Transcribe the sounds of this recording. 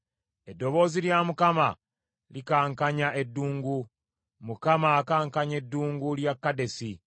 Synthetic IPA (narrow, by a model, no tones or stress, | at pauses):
e̞dːo̞βo̞ːziljamukama̰ | likaːŋkaɲaʔe̞dːuːŋɡu | mukamakaːŋkaɲe̞dːuːŋɡuljakːade̞si